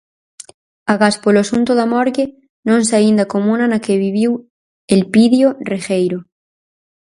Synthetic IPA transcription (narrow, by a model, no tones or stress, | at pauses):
aɣaspoloasunt̪oðamɔɾɣe | nõnseaind̪akomũnanakeβiβ̞iw | elpiðjorexejɾo